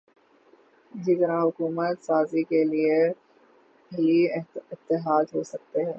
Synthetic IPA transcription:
d͡ʒɪkɾãɦʊkuːmət̪saːzikelie | iɪt̪ːɪɦaːd͡ʒɦoːsɐk̚t̪eɦɛ̃ː

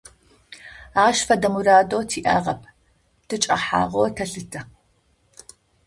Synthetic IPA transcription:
aːʃfɐdɐmuɾaːdoːtʰiːʔaːʁɐpʰʼ | d̥ʰɨt͡ʃʼɐ̰ħa̰ːʁotʰɐɬɨtʰɐ

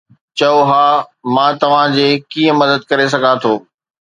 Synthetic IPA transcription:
t͡ɕɐoɦaːmãːt̪ɐʋ̤ãd͡ʑeːkiːə̃mɐd̪əd̪̚kɐɾes̬ɐɡʱãt̪ʰoː

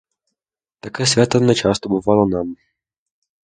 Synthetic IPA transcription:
t̪akɛːsvʲjat̪ɔnɛt͡ʃast̪ɔbɔvalɔnam

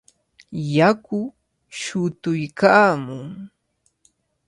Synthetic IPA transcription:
jakʊ | ʃʊt̪ʊjkaːmʊŋ

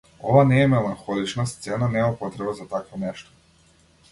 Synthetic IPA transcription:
ovanɛːmɛlˠaŋxɔlˠit͡ʃnast̪sɛnanɛmapɔt̪ɾɛbazat̪akvɔnɛʃt̪ɔ̥

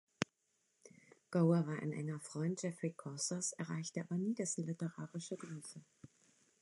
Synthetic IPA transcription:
ɡ̥oʊɐvaːɐʔa̰ɪnʔɛ̰ŋɐfʁ̥ɔʏnt̚d̥ʒ̥ɛfʁ̥ikʰɔsɐsɛɐʁ̞a̰ɪçtəʔaːbɐniːdɛsn̩lɪtəʁaːʁɪʃəɡʁyːfə

